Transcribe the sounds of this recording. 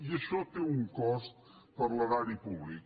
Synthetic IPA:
iəʃɔt̪euŋkɔst̪ | pəɾlaɾaɾipuβlik

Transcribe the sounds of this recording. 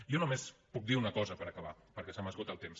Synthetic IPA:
jɔnumespuk̚d̪iunəkɔzəpəɾəkəβ̞apəɾkɛsaməzɣut̪əlˠt̪ems

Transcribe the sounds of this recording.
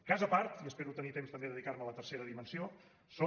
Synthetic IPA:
kazəpaɾt̪iəspeɾut̪ənit̪emst̪əmbeðəðikaɾmələt̪ərseɾəðimənsio | so

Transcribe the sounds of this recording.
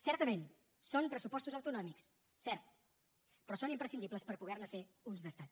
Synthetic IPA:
sɛɾt̪əmen | sompɾəsupɔst̪uzəwt̪unɔmiks | sɛɾt̪̚ | pɾɔsonimpɾəsind̪ipləspəɾpuɣɛɾnəfe | unzðəst̪at̪

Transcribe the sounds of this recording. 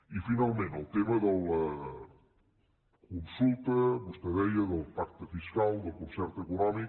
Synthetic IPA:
ifinalˠmẽnt̪əlˠt̪eməðələ | kunsulˠt̪əβust̪əðɛʎəðəlˠpak̚t̪əfiskalˠd̪əlˠkunsɛɾt̪əkunɔmik

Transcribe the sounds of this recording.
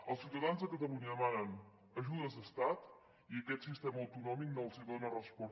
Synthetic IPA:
əlˠsiwt̪əðanzðəkət̪əluɲəəmanən | əʒuðəzd̪əst̪at̪ | iəkɛt̪sist̪ɛməːwt̪unɔmik̚nəlˠsiwt̪nərəspɔ

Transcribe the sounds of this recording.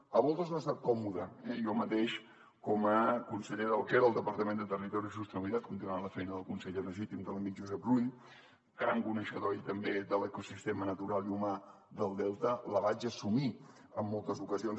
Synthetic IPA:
əβɔlˠt̪əznast̪at̪̚kɔmuðəɛiɔmət̪eʃ | kɔməkunsəʎeðəlˠkeɾəlˠd̪əpəɾt̪əmẽnd̪ət̪ərit̪ɔɾis̬ust̪əniβilit̪at̪̚kunt̪inuanləfɛjnəðəlˠkunsəʎeləʒit̪imd̪ələmiʒuzɛp̚ruʎ | kaŋkunəʃəðojt̪əmbed̪ələkusist̪emənət̪uɾalˠiuma | d̪əlˠd̪ɛlˠt̪ələβat͡ʃəsumiəmːɔlˠt̪əzukəzion

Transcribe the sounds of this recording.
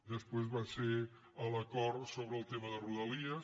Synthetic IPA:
d̪əspwezβase | ələkɔɾt̪soβɾəlˠt̪eməðəruðəliə

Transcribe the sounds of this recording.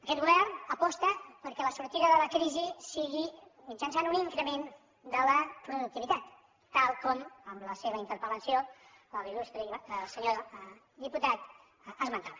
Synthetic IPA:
əkɛt̪̚ɣuβɛrnəpɔst̪əpəɾkɛləsuɾt̪iðəðələkɾizisiɣimit͡ʃansanuniŋkɾəmen | d̪ələpɾuðuk̚t̪iβit̪at̪ː | alˠkɔməmləseβəint̪əɾpələnsio | ləlilust̪ɾəiβˠsəɲo | d̪iput̪at̪ | əzmənt̪aβə

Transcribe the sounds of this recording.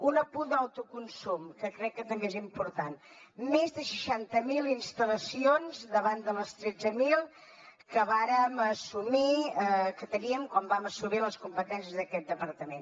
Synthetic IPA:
unəpud̪awt̪ukunsumkəkɾɛkːət̪əmɡezimpuɾt̪anmezðəʃəʃant̪əmilˠinst̪ələsionzd̪əβand̪ələst̪ɾɛd͡zəmilˠ | kəβaɾəməsumiəkət̪əniəmkwambaməsumiləskumpət̪ɛnsjəzðəkɛt̪̚d̪əpəɾt̪əmen

